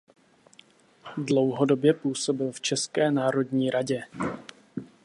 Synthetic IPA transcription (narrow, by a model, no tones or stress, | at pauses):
dlowɦo̞do̞bjɛpuːso̞bɪlft͡ʃɛskɛːnaːɾo̞dɲiːɾaɟɛ